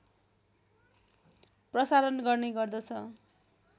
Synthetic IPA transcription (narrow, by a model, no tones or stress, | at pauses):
prʌsalʌnɡʌrneɡʌrd̪ʌt͡sʰʌ